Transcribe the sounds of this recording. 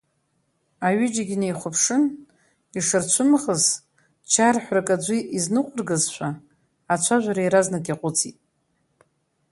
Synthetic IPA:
aɥʏd͡ʒaɡʲinejχʷʊpʰʂɨn | iʂɨrt͡ʃʷʰʊmχəz | t͡ʃʰarħʷrakʼad͡ʒʷiʔiznɨqʷʼʊrɡɨzʃʷʰaː | t͡ʃʷʰaʒʷaɾaiɾaznɨkʲʼaqʷʼʊt͡sʰitʼ

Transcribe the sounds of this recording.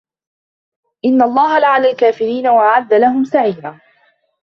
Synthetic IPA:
ʔɪnːaʔlˤːɑːɦalaʕalalkaːfɪɾiːnawaʕad̪ːalaɦʊmsaʕiːnaː

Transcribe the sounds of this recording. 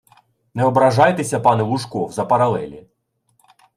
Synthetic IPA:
nɛɔbɾɐʒɑjt̪esʲɐpɑnɛlˠʊʃkɔwzɐpɐɾɐlˠɛlʲḭ

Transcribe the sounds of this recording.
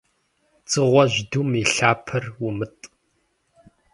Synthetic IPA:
t͡sʼɨʁʷɔʑdumiɬaːpʰɐrwʊmɨtʼ

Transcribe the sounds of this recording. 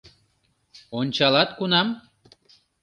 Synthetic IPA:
onʲt͡ɕɑlɑt̪kunɑm

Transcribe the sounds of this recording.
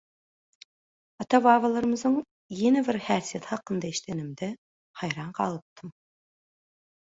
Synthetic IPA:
ɑt̪ʰɑvɑːvɑlˠɑɾɯmɨznɨŋ | jenɛbɪɾhæɾsijet̪hɑqənd̪ɑeʃt̪ʰenɪmd̪ɛ | hɑjɾɑɴqʰɑlˠɯp̚t̪ʰɨm

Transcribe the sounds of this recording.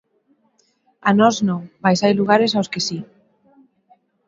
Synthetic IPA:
anɔsnõŋmajsajluɣaɾes̬awskesi

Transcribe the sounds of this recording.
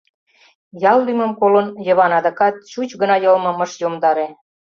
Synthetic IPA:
jɑlːymə̆mkolənjɤ̆βɑnɑd̪ɑkɑt̪̚t͡ɕut͡ɕɡə̆nɑjɤlmɤ̆mə̆ʃjomd̪ɑɾe

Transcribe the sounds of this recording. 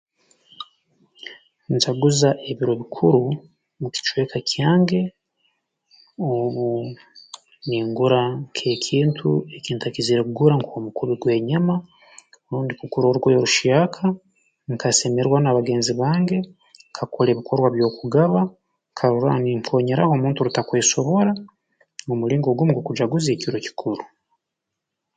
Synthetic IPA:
nzaɡuzaʔe̞βiɾo̞βikʰuɾu | muki̥t͡ʃwe̞ːkakʰjaːŋɡe̞ | oβu | niŋɡuɾakʰe̞ːkʰiːntʰṵe̞kiːntakiziɾekuɡuɾaŋkʰomukuβiɡwe̞ːɲama | ɾuːndikukuɾoɾukwojoɾuʃakʰa | ŋkʰase̞me̞ɾwanaβaɡe̞ːnziβaːŋɡe̞ | ŋkʰakʰoleːβikʰo̞ɾwaβjo̞ːkuɡaβa | ŋkʰaɾuɾa̰niŋfo̞ːɲeɾa̰ho̞ːmuːntuɾutakweːso̞βo̞ɾa | mumuɾiːŋɡo̞ɡwomuɡokud͡ʒaɡuzje̞ːciɾoci̥kʰuɾu

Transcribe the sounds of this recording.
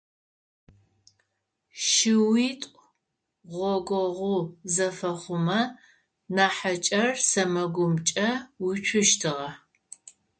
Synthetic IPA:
ʃɪwiːtʷʼ | ʁʷɔɡʷɔʁʷʊzɐfɐχʷʊmɐ | naːħɐt͡ʃʼɐrsɐmɐɡʷʊmt͡ʃʼɐwit͡ʃʷʰʊʃtʰɨʁɐ

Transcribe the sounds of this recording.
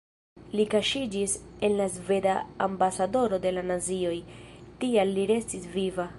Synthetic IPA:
likaʃid͡ʒise̞nlazve̞daːmbasado̞ɾo̞de̞lanazio̞jtialːiɾe̞stisviva

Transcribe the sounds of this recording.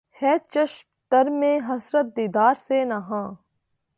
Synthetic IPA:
hɛːt͡ʃɐʃmt̪ɐɾmẽːɦɐsɾət̪̚d̪iːd̪aːɾseːnaːɦãː

